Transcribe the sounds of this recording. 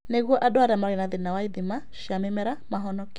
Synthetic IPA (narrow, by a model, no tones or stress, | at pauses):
neɣwɔʔadɔaɾamaɾɛnaðɪnawaid̪ɪmaʃjamɛmɛɾamaɦɔnɔkɪ